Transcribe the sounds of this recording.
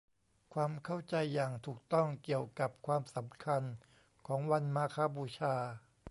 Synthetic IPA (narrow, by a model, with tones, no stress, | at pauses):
kʰwaː˧mkʰa˥˩wt͡ɕa˧jːaː˨˩ŋt̪ʰuː˨˩k̚t̪ɔ˥˩ŋki˨˩əwka˨˩p̚kʰwaː˧msa˩˦mkʰa˧n | kʰɔː˩˦ŋwa˧nmaː˧kʰaː˦˥buː˧t͡ɕʰaː˧